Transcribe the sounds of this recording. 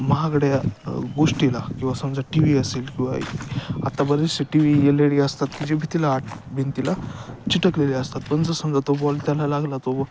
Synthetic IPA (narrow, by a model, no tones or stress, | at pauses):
məɦaɡɽjaɡoʂʈilakĩw̃ʋasəmd͡zaʈiʋiəselkĩw̃ʋaa̰t̪abəɾeseʈiʋijeleɭiəst̪at̪kid͡ʑebʱit̪ilaːʈbʱent̪ilat͡ɕiʈəkleliəst̪at̪̚pəɳd͡zəsəmd͡zat̪obɔlt̪jalalaɡlat̪o